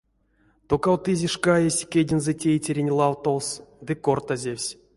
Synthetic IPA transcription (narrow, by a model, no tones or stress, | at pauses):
t̪okawt̪ɨzʲeʂkajesʲkʲedʲinzɛtʲejtʲeɾʲenʲlˠɑwt̪owsd̪ɨko̞rt̪azʲewʲsʲ